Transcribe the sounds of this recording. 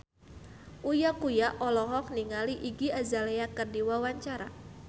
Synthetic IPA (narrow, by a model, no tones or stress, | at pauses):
ʔujakujaʔɔlɔɦɔk̚niŋaliʔiɡiazaleakɨrdiwawaɲt͡ʃaɾa̰